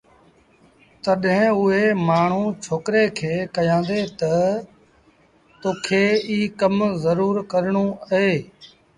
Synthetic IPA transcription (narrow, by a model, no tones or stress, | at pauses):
t̪əɗɦɪ̃ʊɦeːmaːɳ̤ũːt͡ʃʰoːkɾeːkʰeːkəjãːnd̪eːt̪ə | t̪oːkʰeːiːkəmzəɾuːɾkəɾɳũːəɦeː